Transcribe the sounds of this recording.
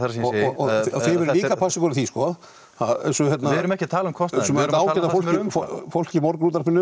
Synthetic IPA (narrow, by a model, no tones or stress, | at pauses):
θaɾsiɔɔɔθɪvɛɾliːkapʰasɪkɔɾɪθiskɔ | aðɛ̰sɔçjɛt̪naɾʏmɛhcɪt̪ʰaːlʏmkʰɔst̪sɛmɛaːwɛɾt̪afowl̥cɪffowlcɪmɔɾkɾuːt̪̬aɾpʰɪnːʏ